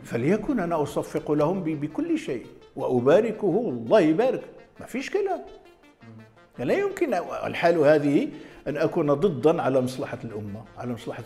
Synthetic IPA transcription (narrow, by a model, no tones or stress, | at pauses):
fælɪjækunʔænæʔɑsˤɑfːɪqʊlahʊmbbəkʊlːʃejʔwəʔʊbæɾɪkʊhʊwlˤːɑhjbæɾəkmæfiʃkælæm | ælæjʊmkən̰lħalhæd̪əhiʔænʔækunæd̪ˤɨd̪ˤːɑnʕalæmɑsˤlɑħɑlʔʊmːaʕa̰læmɑsˤlɑħɑ